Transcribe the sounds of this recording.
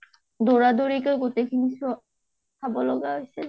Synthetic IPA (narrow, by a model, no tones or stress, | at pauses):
doɹadoɹikeɡotekʰinis | kʰabɔlɔɡaɦojsil